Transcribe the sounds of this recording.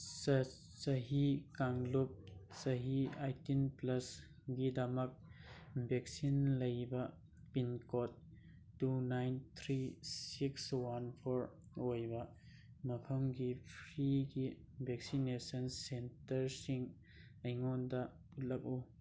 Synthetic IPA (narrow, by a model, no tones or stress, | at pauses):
s | sɐɦikaŋlup̚sɐɦiajtinplɐs | ɡidɐmɐk̚bek̚sinlɐjbɐ | pinkɔt̚ː | unajnt̪ʰɾisikswanpʰoɾ | ojbɐ | mɐpʰɐmɡipʰɾiɡi | bʱek̚sinesɐnsentɐɾsiŋ | ɐjŋɔndɐ | ut̚lɐk̚u